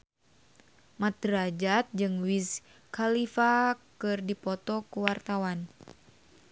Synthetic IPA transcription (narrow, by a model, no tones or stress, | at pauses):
mat̪ɾad͡ʒat̪̚d͡ʒɨŋwis | kalifakɨrdipɔt̪ɔkuwart̪awan